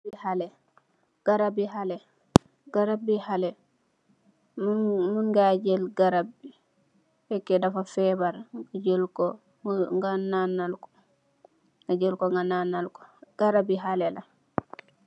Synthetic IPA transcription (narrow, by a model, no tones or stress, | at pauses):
ihalɛ | ɡ̥aɾabiɦalɛ | ɡ̥aɾabːihalɛ | mmunɡaɟɛlɡaɾab̚ːi | hɛkːɛdafafɛbaɾɡaɟəlkɔ | ŋɡananːalkɔ̥ | ad͡ʒəlkɔŋɡananalko̥ɡ̥aɾabiɦalɛla